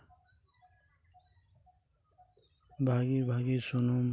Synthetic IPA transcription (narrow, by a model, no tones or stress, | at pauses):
bʱaːɡibʱaːɡisonum